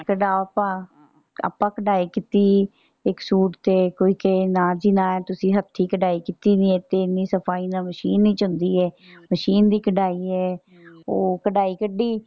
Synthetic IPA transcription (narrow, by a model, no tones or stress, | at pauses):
kəɖaːoəpãː | a̰ːpãːkəɖaːiːkit̪iː | ɪksuːʈt̪eːkoːiːkenãːd͡ʒiːnãːɛːt̪ʊsĩːɦət̪ʰːiːkəɖaːiːkit̪iːnĩːɛːt̪eːɪnːiːsəpʰaːiːnãːməʃiːnːĩːt͡ʃɦʊ̃nd̪iːɛː | məʃiːnd̪iːkəɖaːiːɛː | oːkəɖaːiːkəɖːiː